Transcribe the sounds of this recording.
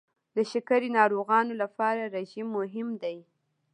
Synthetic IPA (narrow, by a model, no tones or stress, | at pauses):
d̪əʃɪkaɾinɑɾoɣɑnolapɑɾaɾeʒimːʊɦɪmd̪aj